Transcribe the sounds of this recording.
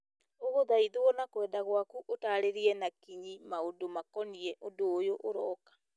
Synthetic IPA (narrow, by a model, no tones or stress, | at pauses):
oɣoðaiðoɔnakwɛːdaɣwakuʔotaːɾeɾiɛnakiɲimaodomakɔniɛʔondoːjoʔoɾɔːkḁ